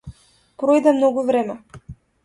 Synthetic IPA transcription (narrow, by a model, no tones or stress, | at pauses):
pɾɔjd̪ɛmnɔɡuvɾɛmɛ